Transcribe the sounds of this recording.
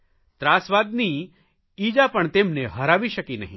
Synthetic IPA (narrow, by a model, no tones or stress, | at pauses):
t̪ɾaːsʋaːd̪ni | iːd͡ʒapɐɳt̪eːmneɦɐɾaːʋiʃɐkinɐɦĩ